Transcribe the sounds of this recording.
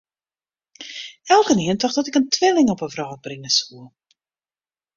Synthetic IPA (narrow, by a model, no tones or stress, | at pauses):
ɛlˠkəniəntɔχdɔtɪkəntʋɪlɪŋɔpəvraːt̚brɪnəsuə